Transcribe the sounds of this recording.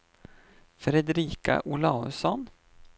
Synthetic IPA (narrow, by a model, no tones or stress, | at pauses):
fɾɛd̪ɾiːka̰ʔʊlɑːɵsɔn